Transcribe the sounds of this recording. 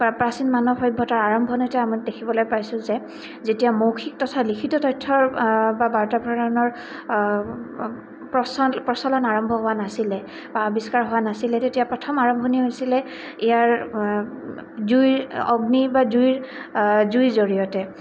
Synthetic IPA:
pɹasinmanɔxɔjbʱːɔtaɹaɹɔmbʱɔnojtɛamidekʰibɔlojpajsʊ̃zɛ | zetijamowkʰik̚tɔtʰalikʰitɔtɔjtʰːɔɹbabaɹtabʱɹaɔnɔɹ | pɹɔsɔlpɹɔsɔlɔnaɹɔmbʱɔɦowanasilɛ | baɔbiskaɹɦowanasilɛtetijapɹɔtʰɔmaɹɔmbʱɔniɦojsilɛ | ijaɹ | zujɹɔɡnibazujɹzujzoɹijɔtɛ

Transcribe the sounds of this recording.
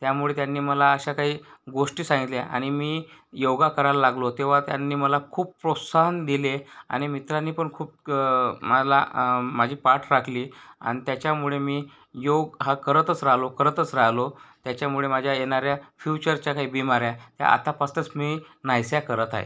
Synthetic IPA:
t̪jamuɭet̪janːiːməlaəɕakaɦiːɡoʂʈiːsãŋɡit̪liaʔa̰ɽ̃imiːjoɡakəɾallaɡlot̪eʋ̤at̪ja̰nːiːməlakʰuːp̚pɾot̪saɦənd̪ilea̰ɽ̃imit̪ɾanːiːpəɳkʰuːp̚ | mala̰mad͡ʑʱiːpaʈʰɾakʰliːa̰ɽ̃it̪jat͡ɕjamuɭemiː | joɡɦakəɾət̪ət͡sɾaɦlokəɾət̪ət͡sɾaɦlot̪jat͡ɕjamuɭemad͡ʑʱjajeñaɾjafjut͡ɕəɾt͡ɕakaɦiːbimaɾjat̪ja̰a̰t̪apast̪ət͡smiːnajsjakəɾət̪a̰ɦḛ

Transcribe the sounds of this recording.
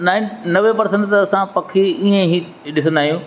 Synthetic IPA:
naːɪnnɐʋepɐɾsə̃ɳʈt̪ɐɐsãpɐkʰiiẽɦi | ɗɪsə̃nd̪aːɦijũː

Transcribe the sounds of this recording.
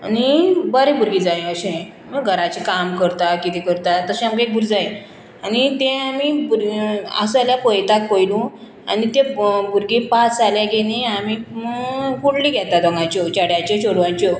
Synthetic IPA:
anibəɾibuɾɡid͡zaĩəɕẽ | məɡʱəɾat͡ɕikamkəɾt̪akit̪ikəɾt̪at̪əɕɛ̃amkeek̚bʱuɾd͡zaj | anit̪ẽamibuɾa̰saljapɔjt̪akːojlũ | a̰nit̪ẽbʱuɾɡipat͡saljaɡeneamiməɡkuɽliːɡʱɛt̪ad̪ɔ̃ŋɡãt͡ɕɔt͡ɕaɽjat͡ɕɔɕoɽʋãt͡ɕɔ

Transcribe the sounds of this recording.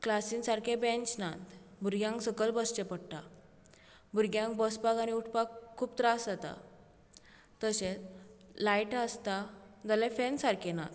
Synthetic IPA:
klasinsaɾkʰebẽnt͡ɕnãt̪bʱuɾɡjãŋksəkəlbəst͡ɕepəɽʈa̰ | bʱuɾɡjãŋk̚bəsbaɡañiuʈʰpakʰːuːp̚t̪ɾasd͡zat̪a̰ | t̪əsẽt͡slajʈəst̪ad͡zalefɛnsaɾkʰena̰t̪

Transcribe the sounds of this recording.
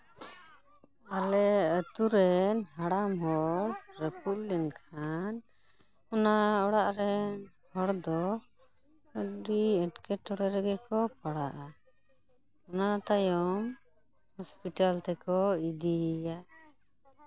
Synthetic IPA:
alɛət̪uɾɛnɦaɽamɦɔɽɾəpuʔlinkʰan | ɔnaɔɽaʔɾɛn | hɔɽd̪ɔ | əɖiɛʈkɛʈɔɽɛɾɛɡɛkɔpaɽaʔa | ɔnat̪ajɔm | hɔspiʈalt̪ɛkɔid̪ijaʔ

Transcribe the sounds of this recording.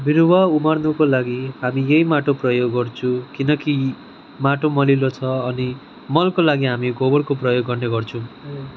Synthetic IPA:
biɾuwaumarnukolaɡiɦamijejmaʈoprʌjoɡːʌrt͡sʰukinʌki | maʈomʌlilot͡sʰʌːni | mʌlkolaɡiɦamiɡobʌrkoprʌjoɡːʌrneɡʌrt͡sʰũ

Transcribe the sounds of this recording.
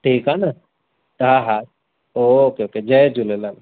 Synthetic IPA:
ʈʰiːkana | ɦaɦa | ookeoked͡ʒɐd͡ʒulelal

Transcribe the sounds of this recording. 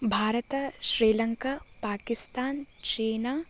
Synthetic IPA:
bʱaːɾət̪ʃɾiːlɐŋkaːpaːkɪst̪aːnt͡ʃeːnaː

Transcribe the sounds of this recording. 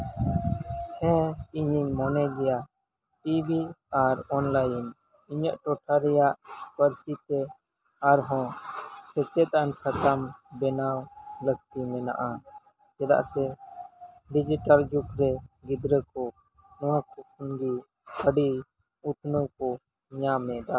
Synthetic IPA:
hɛ̃iɲiɲmɔnɛd͡ʒ̪ɛjaʔ | ʈibiaɾɔnlajin | iɲəʔʈɔʈʰaɾɛjaʔpəɾsit̪ɛ | aɾɦɔ̃sɛt͡ʃɛt̪ansat̪ambɛnawləɡt̪imɛna̰ʔa | t͡ʃɛd̪a̰ʔsɛ | ɖid͡ʒiʈald͡ʒukɾɛɡid̪ɾəkɔ | nɔwãkʰɔk̚ʰunɡi | kʰəɖi | ut̪ʰnəkɔ | ɲamɛd̪a

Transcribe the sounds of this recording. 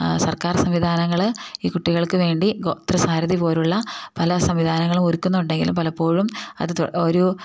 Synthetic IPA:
sɐrkaːrsɐmʋid̪ʱaːnɐŋːɐɭiːkuʈːiɣɐɭkɨʋe̞ːɳɖiɡot̪rɐsaːɾɐðipo̞ːluɭːɐpɐlɐsɐmʋid̪ʱaːnɐŋːɐɭumoɾukːunːuɳɖe̞ŋɡilumpɐlɐpːo̞ːɻumɐ̰ðɨt̪oɾu

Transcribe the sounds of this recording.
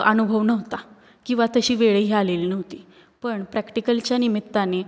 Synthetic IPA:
ənubʱəʋnəɦt̪a | kĩw̃ʋat̪əɕiːʋeɭeɦialeliːnəɦt̪iː | pəɳpɾækʈikəlt͡ɕjanimit̪ːane

